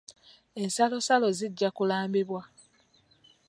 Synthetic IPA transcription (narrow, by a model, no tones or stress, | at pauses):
e̞nsalo̞salo̞ziɟːakulaːmbiβwa